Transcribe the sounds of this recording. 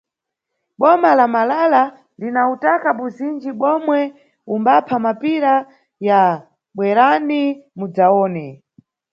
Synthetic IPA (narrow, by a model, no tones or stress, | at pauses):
ɓɔmalamalala | linautakaɓuzind͡ʒiɓɔmwɛ | umbapʰamapiɾa | ja | ɓwɛɾanimud͡zaɔːnɛ